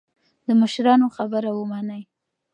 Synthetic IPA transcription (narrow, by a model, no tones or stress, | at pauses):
d̪əməʃɾɑnoxabəɾawəmanəj